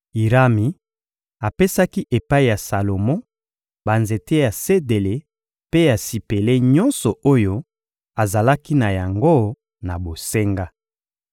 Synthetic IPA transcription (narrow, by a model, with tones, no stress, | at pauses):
i˨ʁa˦mi˨ | a˨pe˦sa˦ki˦ʔe˨pa˦i˨ja˨sa˨lo˨mɔ̃˦ | ba˨nze˨te˦ja˨se˦de˨le˨ | pe˦ja˨si˨pe˨le˦ɲɔ˦nsɔ˨o˦jo˦ | a˨za˨la˦ki˦na˨ja˨ŋɡo˦ | na˨bo˨se˦ŋɡa˦